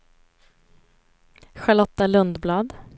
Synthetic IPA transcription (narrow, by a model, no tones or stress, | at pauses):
ɧaɭɔt̪ːalɵnd̪blɑːd̪